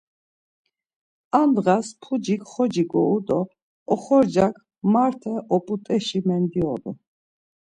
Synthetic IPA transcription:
and̪ʁaspʰud͡ʒikχɔd͡ʒiɡɔud̪ɔ | ɔχɔɾd͡ʒakʰ | maɾt̪ʰɛʔɔpʼut̪ʼɛʃimɛnd̪iɔd̪ṵ

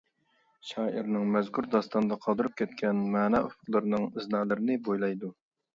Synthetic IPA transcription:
ʃɑːʔiɾnɪŋmɛzkʰuɾd̪ɑst̪ɑnɨd̪ɑqʰɑlˠd̪ɨɾup̚kʲʰɛt̪kʲʰɛnmæːnɛufʊqlˠɨɾɨnɨŋɨznɑːlˠɨɾɪnɪbojlˠɑjd̪u

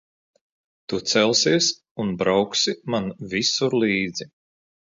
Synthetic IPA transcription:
t̪ut̪sɛlˠsiɛs | unbɾawksimanvisuɾlˠiːd̪z̥i

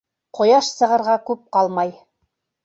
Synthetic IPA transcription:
qŏjɑʃsɤ̆ʁɤ̆ɾʁɑkʉp̚qɑlˠmɑj

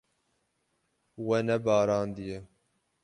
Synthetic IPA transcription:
wɛnɛbɑːɾɑːnd̪ijɛ

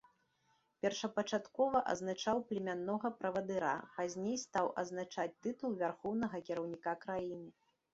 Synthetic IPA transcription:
pʲɛrʂɐpɐt͡ʂat̪kɔvɐʔɐ̰znat͡ʂawplʲɛmʲanːɔɣɐpɾɐvɐd̪ɨɾa̰pazʲnʲejst̪awʔɐ̰znat͡ʂat͡sʲt̪ɨt̪ulˠvʲarxɔwnɐɣɐkʲiɾɐwnʲikakɾajinɨ

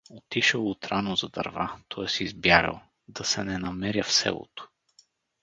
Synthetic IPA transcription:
ot̪iʃəlˠʊt̪ɾanozɐd̪ɐ̰ɾvat̪ʰɔɛsizbjaɾə̰lˠ | d̪ɐsɛnɛnɐmɛɾʲjəfsɛ̰lˠo̰t̪ʊ̥

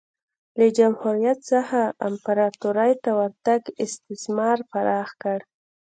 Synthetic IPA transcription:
ləd͡ʒamhuɾijat̪saxaampaɾɑt̪uɾajt̪awaɾt̪aɡɪst̪ɪsmɑɾpaɾɑxkəɽ

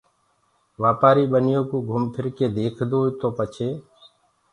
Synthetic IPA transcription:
ʋaːpaːɾiːɓənɪjõːkũːɡʱʊmpʰɪɾkeːd̪eːkʰd̪oːt̪oːpət͡ʃʰeː

